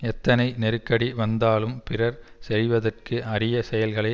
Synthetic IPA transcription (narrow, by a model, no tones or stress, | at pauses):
ɛt̪ːɐnɐɪnɛɾɯkːɐɽiʋɐnd̪aːlɯmpɪrɐɾsɛɾɪʋɐðɐrkɯʔɐrɪjɐsɛjɐlɣɐɭɐɪ